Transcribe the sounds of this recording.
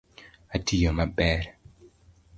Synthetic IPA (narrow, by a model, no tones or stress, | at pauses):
atʰijomabɛɾ